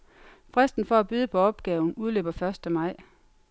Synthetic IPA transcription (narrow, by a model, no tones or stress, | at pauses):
fʁasd̥n̩fɒ̽æb̥yð̞ˠəpʰɒ̽ɒ̽b̥ɡ̥ɛːʊn̩uð̞ˠlø̰ːb̥ɐfɶɐsd̥əmɑ̈ɪ̰